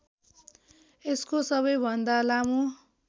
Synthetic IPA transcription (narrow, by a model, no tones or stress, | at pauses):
eskosʌβʌjbʱʌnd̪alamu